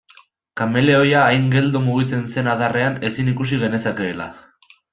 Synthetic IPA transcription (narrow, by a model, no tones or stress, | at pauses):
kame̞le̞o̞jaːjŋɡe̞ld̪omuɣ̞it͡se̞nse̞naðare̞ane̞sinikus̬iɣe̞ne̞sake̞ːla̰